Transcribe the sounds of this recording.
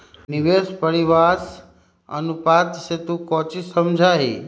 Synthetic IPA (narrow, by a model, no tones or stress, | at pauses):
niʋespəɾiʋaːs | ə̰nupaːt̪set̪ukɔt͡ʃisəmd͡ʒʱaɦḭ